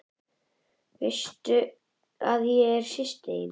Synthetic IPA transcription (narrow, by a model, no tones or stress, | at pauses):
vɪst̪ʏ | aðjɛɛɾ̥sɪst̪ɪɪn